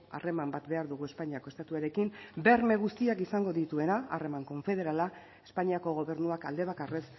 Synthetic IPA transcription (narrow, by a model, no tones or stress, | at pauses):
a̰re̞mambat̪be̞aɾðuɣ̞ue̞spaɲiako̞e̞st̪at̪uaɾe̞kimbe̞ɾme̞ɣ̞ust̪iakisaŋɡo̞ðit̪ue̞naare̞maŋko̞ɱfe̞ð̞e̞ɾala | espaɲiako̞ɣ̞o̞βe̞ɾnuaka̰ld̪e̞β̞akare̞s